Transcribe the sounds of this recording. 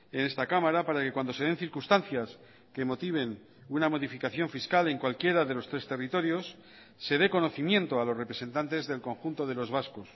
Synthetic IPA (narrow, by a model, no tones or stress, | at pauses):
ene̞st̪akamaɾapaɾake̞kwand̪o̞se̞ð̞e̞nθiɾkunst̪anθjas | ke̞mo̞t̪iβ̞e̞n | unamo̞ðifikaθjo̞ɱfiskale̞ŋkwalkje̞ɾaðe̞lo̞st̪ɾe̞st̪e̞rit̪o̞ɾjo̞sː | e̞ðe̞ko̞no̞θimjẽ̞nt̪oalo̞sre̞pɾe̞se̞nt̪ant̪e̞zðe̞lko̞ŋxunt̪o̞ð̞e̞lo̞zβasko̞s